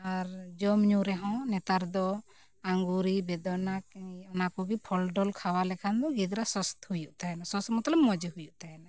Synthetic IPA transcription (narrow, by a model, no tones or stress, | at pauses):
aɾd͡ʒɔmɲuɾɛɦɔ̃nɛt̪aɾd̪ɔ | aŋɡuɾibɛd̪ɔnakɔnakɔɡipʰɔlɖɔlkʰawalɛkʰand̪ɔɡid̪ɾasɔst̪hujuʔt̪aɛnasɔst̪mɔt̪lɔbmɔd͡ʒhujuʔt̪ajɛna